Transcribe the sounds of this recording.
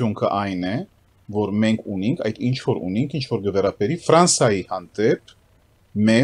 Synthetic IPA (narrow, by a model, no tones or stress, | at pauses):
uŋkʰə̰ʔɑjnɛ | vɔɾmɛŋkʰuniŋkʰɑ̰jd̪int͡ʃʰvɔɾṵniŋkʰint͡ʃʰvɔɾɡəvɛɾɑbɛɾifɾɑnsɑjihɑnd̪ɛp̚ʰ | mɛ